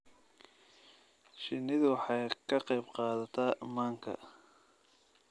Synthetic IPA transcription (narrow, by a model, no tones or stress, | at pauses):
ʃɪnɪðʊwħɑjkʰɐqɑjbqɑːðɐt̪ʰaːmaːŋkʰɐ̰